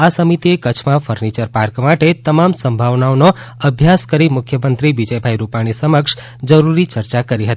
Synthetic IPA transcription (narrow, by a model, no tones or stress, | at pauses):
asəmit̪iekət͡ʃʰmãfʰəɾnit͡ʃəɾpaɾkmaʈet̪əmamsəmbʱaʋnaonoəbʱjaskəɾimʊkʰjəmənt̪ɾibid͡ʒəjbʱajɾupaɽ̃isəməkʃ | d͡ʒəɾuɾit͡ʃəɾt͡ʃakəɾiɦət̪i̥